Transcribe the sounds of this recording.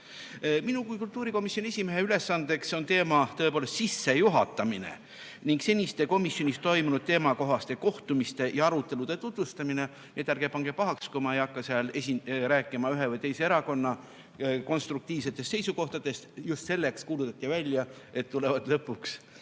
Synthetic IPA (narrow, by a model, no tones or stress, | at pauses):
minukujkult̪ːˑuːɾiko̞misjoniesʲimeɦeyle̞sːɑnd̪̥e̞kso̞nt̪e̞ːmɑt̪ɤ̞epoːle̞st̪sisːe̞juɦɑt̪ːˑɑminḛ | niŋkse̞nʲist̪e̞ko̞misjo̞nʲist̪o̞jmunud̪̥̚t̪e̞ːmɑko̞ɦɑst̪e̞ko̞ht̪umist̪e̞jɑɑɾut̪ːˑe̞lud̪̥e̞t̪ut̪vust̪ɑmine̞ | niet̪jæɾɡ̥epɑŋɡe̞pɑɦɑkskumɑejɑkːɑseɑlesiɾæːkːˑimɑyɦe̞vɤjt̪e̞jseeɾɑko̞nːɑ | ko̞nst̪ɾuk̚t̪iːvse̞t̪ːˑest̪se̞jsuko̞ht̪ɑd̪̥e̞st̪just̪se̞lːe̞kskuːlut̪ːɑt̪ʲːˑivælʲjɑ | e̞t̪ːulevɑd̪̥lɤpːuks